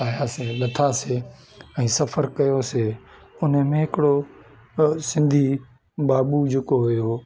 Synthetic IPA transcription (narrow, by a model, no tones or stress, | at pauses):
aːjaseːlɐt̪ʰase | ɛ̃ːsɐfʰəɾkɐjoseː | ʊnəmẽːɦɪkɪɽo | sɪ̃nd̪ʱiː | baːɓud͡ʒʊkoɦʊjoː